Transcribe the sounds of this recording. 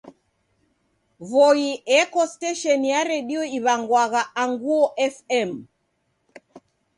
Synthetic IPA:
vɔiɛkɔstɛʃɔnjaɾɛɗiɔiβaŋɡwaɣaaŋɡuɔʔɛfɛm

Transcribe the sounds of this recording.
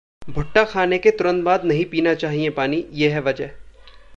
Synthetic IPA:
bʱʊʈːaxʰaːneket̪ʊɾə̃nd̪̚baːd̪nɐɦĩpiːnat͡ʃaːɦiẽpaːnijeɦɛʋɐd͡ʒəɦ

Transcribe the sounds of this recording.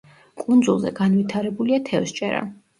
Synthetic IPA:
kʼund̪zulˠzɛ̰ɡanwit̪ʰaɾɛbuliat̪ʰɛvst͡ʃʼɛɾa̰

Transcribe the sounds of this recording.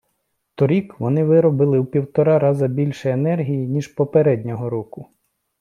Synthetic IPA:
t̪ɔɾʲikʋɔnɪʋɪɾɔbɪlˠɪwpʲiwt̪ɔɾɑɾɑzɐbʲilʲʃɛjenɛrɦʲijinʲiʒpɔpeɾɛd̪ʲnʲɔɦɔɾɔkʊ

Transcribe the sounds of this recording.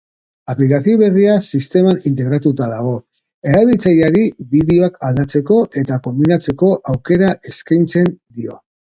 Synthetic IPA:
aplikaθioβe̞riasist̪e̞manint̪̬e̞ɣɾat̪ut̪aðaɣ̞o̞ | e̞ɾaβilt͡sajaɾiβiðeo̞akald̪at͡se̞ko̞ʔe̞t̪ako̞mbinat͡se̞ko̞ʔawke̞ɾaʔe̞skajnt͡se̞nd̪io̞̰

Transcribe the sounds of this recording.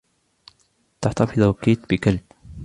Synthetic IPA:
t̪aħt̪ɑfɪðˤkiːt̪bɪkalb̥̚

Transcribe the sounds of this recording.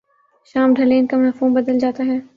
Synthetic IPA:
ʃaːmɖʱɐleːnkamnɐfuːmbɐd̪əld͡ʒaːt̪aɦɛː

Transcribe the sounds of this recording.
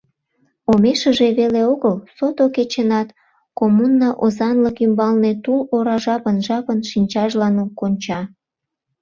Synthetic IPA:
omeʃəʒeβeleoɣəlsot̪oket͡ɕenɑt̪ | komunːɑʔozɑnləkymbɑlnet̪uloɾɑʒɑpənʒɑpənʃinʲt͡ɕɑʒlɑnokonʲt͡ɕɑ

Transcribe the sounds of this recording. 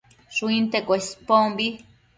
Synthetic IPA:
suint̪ekʷespombi

